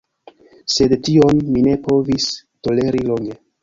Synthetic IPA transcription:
se̞dtio̞nmine̞po̞visto̞le̞ɾilo̞ŋɡe̞

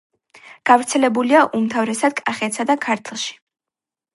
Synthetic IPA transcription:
ɡ̥avɾt̪sʰɛlɛbuliaʔumt̪ʰavɾɛsad̪̥kʼaχɛt̪sad̪akʰaɾt̪ʰlˠʃi̥

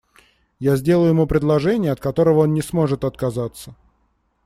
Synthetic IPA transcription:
jazʲdʲe̞lˠəjʊjɪmupɾʲɪd̪lˠɐʐɛnʲɪjəɐt̪̚kɐt̪o̞ɾəvəo̞nnʲɪsmo̞ʐɨt̪ɐt̪̚kɐzat̪sːə

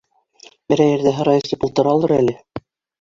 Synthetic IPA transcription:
bɘɾæjɘ̆ɾðæɦɤ̆ɾɑjɤst̪ipulˠt̪ɤ̆ɾɑlˠɤɾælɘ

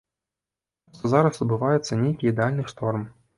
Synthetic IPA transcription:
ʂt̪ɔzaɾɐsɐd̪̚bɨvajɛt̪sːɐnʲejkʲiːd̪ɛalʲnɨʂt̪ɔrm

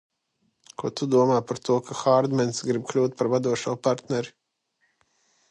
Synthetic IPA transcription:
kʰuɔt̪ud̪uɔmaːpaɾt̪uɔkʰaxaːɾd̪mɛnsɡɾib̚klʲuːt̪̚paɾvad̪uɔʃuːpaɾt̪nɛɾi

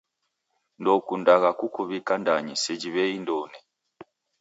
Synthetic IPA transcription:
ndɔkundaɣakukuβikandaɲisɛd͡ʒiβɛindɔnɛ

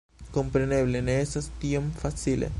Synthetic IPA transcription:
kompɾeneβleneesast̪iomfasilḛ

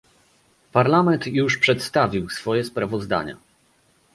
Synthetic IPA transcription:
paɾlamɛnt̪juʂpʂɛt̪st̪avʲiwsfɔjɛspɾavɔzd̪a̰ɲa̰

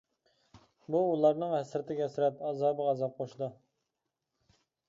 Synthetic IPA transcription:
buːlˠɑɾnɨŋhɛsɾɪt̪ʰɪɡʲɛsɾɛt̪ɑzɑːbəʁɑzɑp̚qʰoʃd̪u

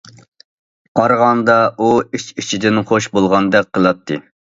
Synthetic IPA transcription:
qʰɑɾʁɑnd̪ɑʔuiʃit͡ʃʰid̪ɪnχoʃbolˠʁɑnd̪ɛk̚ʲqʰːəlˠɑt̪ʰːɨ

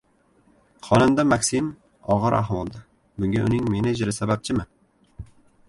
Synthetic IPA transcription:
χɒnɪmd̪amaksɪm | ɒʁɨɾʔa̰ɦmɒlˠd̪a | bʊŋɡʲaʔʊnɪŋme̞nɪd͡ʒɾɪsabap̚t͡ʃʰɪmɪ

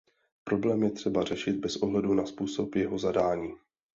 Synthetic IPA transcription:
pɾo̞blɛːmjɛt̪r̝̥ɛbarɛʃɪd̪̚bɛsʔo̞ɦlɛdunaspuːso̞pjɛɦo̞zadaːɲiː

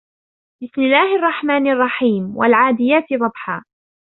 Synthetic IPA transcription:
bɪsmɪlːaːhɑrˤːɑħmaːnɑrˤːɑħiːmwa̰lʕaːd̪ɪjaːt̪ɪd̪ˤɑbħaː

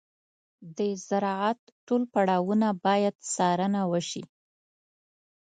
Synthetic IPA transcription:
d̪əzaɾɑat̪ | ʈolpaɽɑwunabɑjad̪sɑɾənawəʃḭ

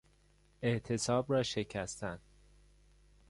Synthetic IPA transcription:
eʔt̪ʰe̞sɒːbrɒːʃe̞cʰæst̪ænd̪̥

